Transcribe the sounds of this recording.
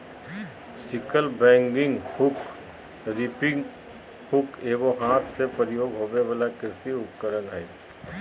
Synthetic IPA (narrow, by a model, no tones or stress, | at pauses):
sɪkəlbɛ̃ːŋɡɪŋɡhʊk | ɾipɪŋ | hʊkeːɡoɦaːt̪ʰsepəɾjoːɡɦoːbebəlakɾɪsiʊtkəɾənɦɛː